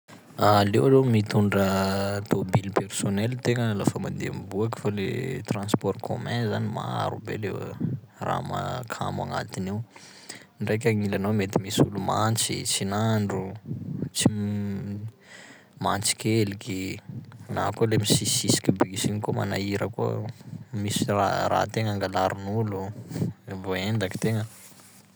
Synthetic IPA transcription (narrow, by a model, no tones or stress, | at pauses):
alewalewmit̪uɳɖ͡ʐət̪obilpersonɛlt̪eŋəlafamand̪embuaki̥falḛt̪rãnspɔɾkʰo̰mɛ̃nzanima̰a̰ɾubḛlew | ra̰ma̰kʰa̰ma̰ŋa̰t̪iniw | ɳɖ͡ʐajk̬ʲaŋilanawmet̪imisulumant͡sit͡sinaɳɖ͡ʐut͡si | mant͡si̥kʲeliki | na̰kolemisisisi̥kʲibiisinikoma̰naiɾəkṵ | misirara̰ːt̪eŋaŋɡalaɾinulu | voend̪aki̥t̪eŋə